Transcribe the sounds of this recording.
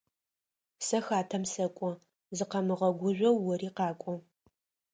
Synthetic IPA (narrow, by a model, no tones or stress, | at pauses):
sɐxaːtʰɐmsɐkʷʼɔ | zɨqɐmɨʁɐɡʷʊʒʷɐwːɔriːqɑːkʷʼɔ